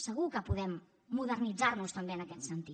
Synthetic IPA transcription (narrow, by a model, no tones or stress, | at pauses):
səɣ̞ukəpuðɛmː | uðəɾnid͡zaɾnust̪əmbeənəkɛt̪sənt̪i